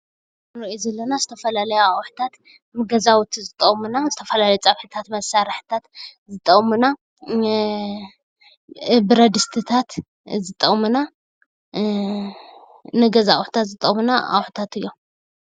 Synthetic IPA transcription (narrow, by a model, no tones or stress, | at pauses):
nɨɾɐʔjuzɐlːɐnazɨt̪ʰɐfɐlalɐjoawħt̪ʰat̪ | mɨɡɐzawt̪ʰizɨt̪ʼɐχʼmunazɨt̪ʰɐfɐlalɐjot͡sʼɐβħɨt̪ʰat̪mɐsaɾħt̪ʰat̪zɨt̪ʼːɐχʼmuna | bɨɾɐd̪ɨst̪ʰɨt̪ʰat̪ | zɨt̪ʼːɐʔʼmɨna | nɨɡɐzaa̰wħt̪ʰat̪zɨt̪ʼɐmunaʔa̰wħu̥t̪ʰat̪ɨjːo